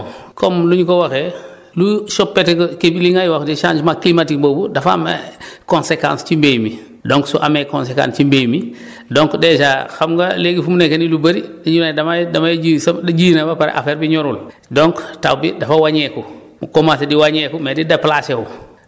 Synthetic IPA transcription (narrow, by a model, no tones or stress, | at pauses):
kɔmluɲkowaxe | luʃɔpːetkkebliŋajwaxdiʃa̰ːnd͡ʒmaklimatikmbobudafamḛkonsekã̰ːnst͡ʃimbejmi | dɔŋksuʔamekɔnsekã̰nst͡ʃimbejmi | dɔŋkdɛʃaxamɡaleɡifumunekenilubɐɾidiɲunadamadamajd͡ʒisdad͡ʒiːnabapaɾḛʔa̰feːɾbiɲɔɾul | dɔŋktawbidafawaɲɛku | mkomasediwaɲɛkumedidaplaseu